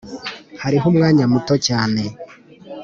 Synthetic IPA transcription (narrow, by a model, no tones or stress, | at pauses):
haɾiɦomŋaːɲamutocaːne̞